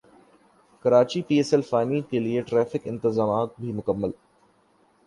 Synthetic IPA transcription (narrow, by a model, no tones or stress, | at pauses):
kɐɾaːt͡ʃipiːeːsɛlfaːɪnikelieʈɾɛːfɪkɪ̃nt̪ɪzaːmaːt̪̚bʱimʊkəmːəl